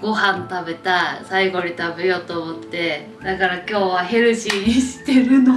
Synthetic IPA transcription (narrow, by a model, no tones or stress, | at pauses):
ɡ̥o̞ɦãnt̪abe̞t̪asaiɡo̞ɲ̟it̪abɯjo̞t̪oːmot̪ːe̞ | d̪akaɾakʲo̞ːβaɦe̞ɾɯ̟ɕiɲ̟iɕi̥t̪eɾɯ̟no